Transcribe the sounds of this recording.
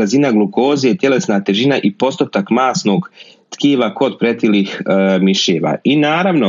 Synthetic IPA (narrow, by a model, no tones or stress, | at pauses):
azinaɡluko̞ːziet̪ʲje̞le̞snat̪e̞ʒinaʔipo̞st̪ot̪akmaːsno̞ːɡ | t̪kiːʋako̞d̪pɾet̪iliːxmiʃeːʋa̰ːinaːɾaʋno